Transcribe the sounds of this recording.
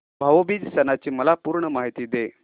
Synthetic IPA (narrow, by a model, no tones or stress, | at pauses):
bʱaʋobid̪sɛnat͡ɕiːməlapuːɾɳəmaɦit̪iːd̪e